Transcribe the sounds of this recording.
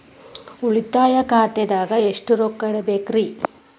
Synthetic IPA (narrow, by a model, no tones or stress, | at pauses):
uɭit̪ːaːjɐkaːt̪ed̪aːɡɐeʂʈuɾoːkːɐɽebeːkɾi